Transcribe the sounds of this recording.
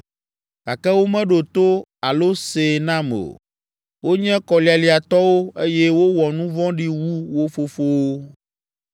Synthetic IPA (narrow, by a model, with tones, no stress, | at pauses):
ɡa˨kɛ˦wo˦mɛ̃˦ɖo˨t̪o˦a˨lo˦se˨nã˦mḛ˨ | wo˦ɲɛ̃˦kɔ˨li˨a˨li˨a˨t̪ɔ˦wo˦e˦jɛ˦wo˦wɔ˨nũ˦vɔ̃˦ɖi˦wu˦wo˦fo˨fo˦wo˦